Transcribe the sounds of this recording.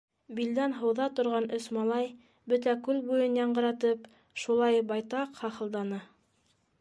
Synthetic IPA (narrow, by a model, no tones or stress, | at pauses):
bild̪ænɦɤ̆wðɑt̪ŏɾʁɑnɵsmɑlˠɑj | bɵt̪ækʉlbujɤnjɑɴɢɤ̆ɾɑt̪ɤp | ʃulˠɑjbɑjt̪ɑqhɑχɤ̆lˠd̪ɑnɤ